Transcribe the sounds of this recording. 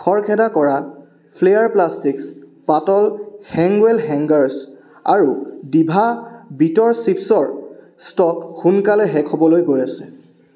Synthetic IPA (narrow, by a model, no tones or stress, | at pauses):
kʰɔɹkʰɛdakɔɹa | pʰlejaɹplastikspatɔlhɛŋɡwɛlɦɛŋɡaɹs | a̰ɹudibʱabitɔɹsipsɔɹ | stɔkxunkalɛɦɛkʰɔbɔlojɡojasɛ